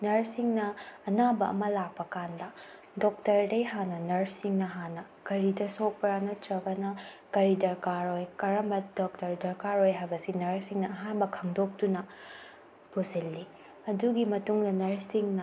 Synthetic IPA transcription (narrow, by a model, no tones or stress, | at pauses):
nɐɾsiŋnɐːnabɐɐ̰mɐlak̚pɐkandɐ | dok̚tɐɾdɐjɦanɐnɐɾsiŋnɐɦanɐkɐɾidɐsok̚pɾanɐtɾɐɡɐnɐ | kɐɾidɐɾkaɾojkɐɾɐmbɐdok̚tɐɾdɐɾkaɾojɦajbɐsinɐɾsiŋnɐːɦanbɐkʰɐŋdok̚tunɐ | posilːi | ɐduɡimɐtuŋdɐnɐɾsiŋnɐ